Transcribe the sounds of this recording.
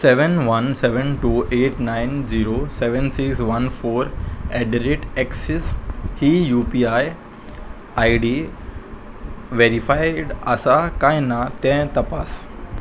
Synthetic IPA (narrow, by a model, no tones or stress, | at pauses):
seʋənʋənseʋənʈuːʔeʈnajnd͡ʑiɾoseʋənsiksʋɐnfoɾɛɖɾeʈɛksishijupiaj | ajɖi | ʋeɾifajɽəsakajnat̪ɛ̃t̪ɐpas